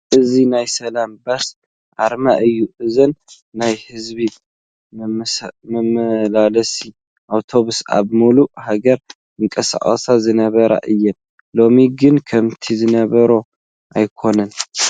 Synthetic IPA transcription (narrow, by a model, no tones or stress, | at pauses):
ʔɨzinajsɐlambas | ʔa̰ɾmaʔɨjːuʔɨzɨnː | ajhɨzbi | mɐmɐlalɐsi | ʔawt̪ʰo̞βusa̰βmuluhaɡɐɾ | ɨŋkʼɐsa̰χʼə̰sazɨnɐβɐɾa̰ʔɨjːɛn | lo̞miɡɨnkʰɐmt̪ʰizɨnɐβɐɾo | ʔajkʰo̞nɐn